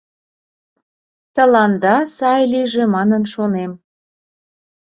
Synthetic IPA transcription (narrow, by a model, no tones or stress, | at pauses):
t̪əlɑnd̪ɑsɑjliʒĕmɑnənʃonem